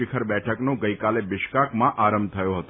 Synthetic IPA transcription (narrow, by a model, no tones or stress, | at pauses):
ɪkʰəɾbɛʈʰəknõɡəjkalebɪʃkakmãʔaɾəmb̚t̪ʰəjoɦət̪o